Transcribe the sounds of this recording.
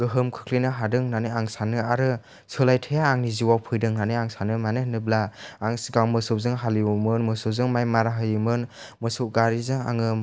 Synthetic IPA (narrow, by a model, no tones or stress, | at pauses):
ɡɯɦɯmkʰɯ̥kʰlinɯɦadɯŋnanɯaŋsanɯaɾɯ | sʰɯlajtʰɯjaːŋniziwawpʰɯjdɯŋnanɯaŋsanɯmanɯnɯblaːŋsɡawmɯsɯw̚zɯŋɦaliumɯnmɯsɯzɯŋmajmaɾaɦɯjumɯnmɯsuwɡaɾizɯŋa̰ŋɯ